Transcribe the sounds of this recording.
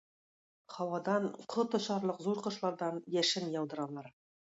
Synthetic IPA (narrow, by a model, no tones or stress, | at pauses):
χɑwɑd̪ɑɴqʰŏt̪ɤ̆ʃɑɾlˠɤqzuɾqɤ̆ʃlˠɑɾd̪ɑnjæʃɘnjɑwd̪ɤ̆ɾɑlˠɑɾ